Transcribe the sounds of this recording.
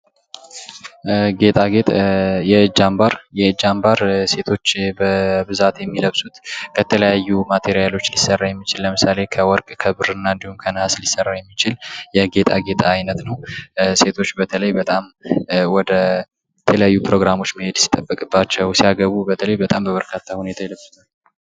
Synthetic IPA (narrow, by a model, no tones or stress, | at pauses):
ɡe̞t̪ʼaɡet̪ʼjɛɨd͡ʒːambaɾjɛɨd͡ʒːambaɾse̞t̪ʰo̞t͡ʃːbəbɨzat̪jɛmːiləβsut̪kʰət̪ʰələjajːumat̪ʰe̞ɾijalo̞t͡ʃːlisːərːajɛmːit͡ʃɪlːəmɨsale̞kʰəwɔɾkʼkʰəbɨɾɨnːaɨnd̪ihumkʰənhaslisərːajɛmːit͡ʃɪljɛɡe̞t̪ʼaɡe̞t̪ʼaːjnət̪nəwse̞t̪ʰo̞t͡ʃːbət̪ʰələjbət̪ʼamwɔd̪ə | t̪ʰələjajːupɾo̞ɡɾamo̞t͡ʃːməhe̞d̪si̥t̪ʼːəbːəkʼɨbːat͡ʃːɛwsiaɡəβubət̪ʰələjbət̪ʼambəβəɾkʰat̪ʰːahune̞t̪ʰajiləβsɨt̪ʰal